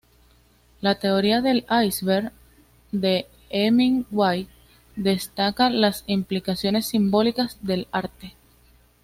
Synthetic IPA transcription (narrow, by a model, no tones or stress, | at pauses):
lat̪e̞o̞ɾiaðe̞lajsβeɾ | d̪e̞ | emiŋwaj | d̪e̞st̪akalasimplikasjo̞ne̞sːimbo̞likasd̪e̞laɾt̪e